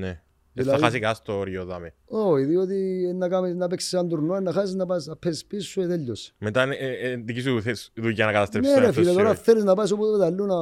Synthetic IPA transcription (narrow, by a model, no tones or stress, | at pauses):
ne | ðislːɐɐðxɐsikɐst̪oɾjoðɐmeoiðiot̪ienːɐkɐminɐpeksi̥sɐnd̪uɾnoɐnːɐxɐsiznɐpɐsnɐpʰːesispisːueðeʎːosmet̪annd̪ikis̬uθesðujːɐnɐkɐt̪ɐst̪ɾenenefilɐoɾɐθeliznɐpɐs̬obuðet̪ɐlːunɐ